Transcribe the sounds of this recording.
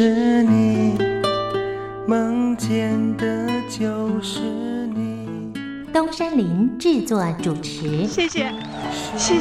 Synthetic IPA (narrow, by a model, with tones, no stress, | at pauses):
ni˨˩ | mə˧˥ŋt͡ɕjɛ˧nd̪ə˧t͡ɕjo˨˧ʊʂɻ̩˧˥ni˨˩ | t̪o˥ŋʂa˥nli˧˥nʈ͡ʂɻ̩˥˧t͡swɔ˥˩ʈ͡ʂu˨˩ʈ͡ʂ̩ʰ˧˥ɕɛ˥˩ɕɛ˨˩ | ɕ